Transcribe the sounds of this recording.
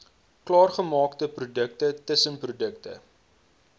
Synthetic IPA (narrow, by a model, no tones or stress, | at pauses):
klɑːrχəmɑːktəprudək̚tətəsənprudəktə̰